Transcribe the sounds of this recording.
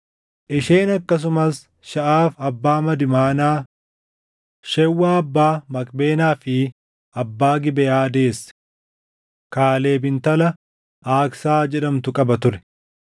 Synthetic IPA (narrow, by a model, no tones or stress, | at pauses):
ʔɪʃeːnɐkːɐs̬ʊmɐs | ʃɐʔaːfɐbːaːmɐd̪ɪmaːnaː | ʃɛwːaːɐbːaːmɐkʼbe̞ːnaːfɪ | ɐbːaːɡɪbɛjaːd̪e̞ːs | kaːle̞ːbɪnt̪ɐlɐ | aːksaːd͡ʒɛᶑɐmt̪ʊkʼɐbɐt̪ʊɾɛ̥